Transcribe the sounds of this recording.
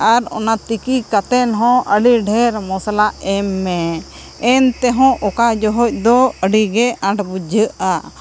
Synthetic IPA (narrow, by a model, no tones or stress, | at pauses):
aɾɔ̰nat̪ikikat̪ɛnɦɔ̃əɖiɖʱɛɾmɔsalaʔɛmːɛ | ɛnt̪ɛɦɔ̃ʔɔkad͡ʒɔɦɔc̚ˀd̪ɔəɖiɡɛãɳʈbud͡ʒʱəʔa